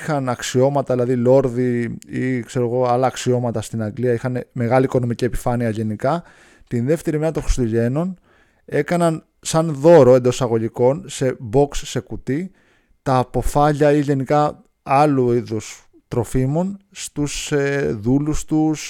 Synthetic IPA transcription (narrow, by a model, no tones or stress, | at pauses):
xɐnɐksio̞mɐt̪ɐðilɐðilo̞ɾðiikse̞ɾo̞ɣo̞ɐlɐːksio̞mɐt̪ɐst̪inɐŋɡliɐixɐneme̞ɣɐliːko̞no̞micie̞pi̥fɐniɐʝe̞nikɐ | t̪inðe̞ft̪e̞ɾimeɾɐt̪oŋxɾist̪uʝe̞no̞n | e̞kɐnɐn | sɐnðo̞ɾo̞e̞nd̪osɐɣo̞ʎiko̞nse̞bo̞ksːe̞kut̪i | t̪ɐːpo̞fɐʎɐiʝe̞nikɐ | ɐluiðus | t̪ɾo̞fimo̞nst̪useðulust̪us